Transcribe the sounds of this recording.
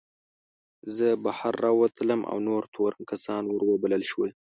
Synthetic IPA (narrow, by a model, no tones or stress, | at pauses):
zəbahaɾːɑwat̪ʰələmʔa̰wnoɾt̪ʰoɾankasɑnwəɾwəbaləlʃwəl